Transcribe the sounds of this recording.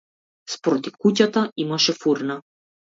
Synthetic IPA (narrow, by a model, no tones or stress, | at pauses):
spɔɾɔt̪ifkucat̪aimaʃɛfuɾna